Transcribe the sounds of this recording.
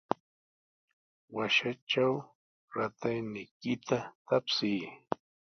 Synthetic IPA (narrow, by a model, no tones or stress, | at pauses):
waʃat͡ʃaw | ɾat̪ajnɪjkɪt̪at̪apsɪː